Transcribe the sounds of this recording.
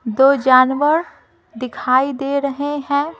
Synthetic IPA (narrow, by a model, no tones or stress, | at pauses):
d̪oːd͡ʒaːnʋəɾ | d̪ɪkʰaːid̪eɾɐɦeɦɛ̃ː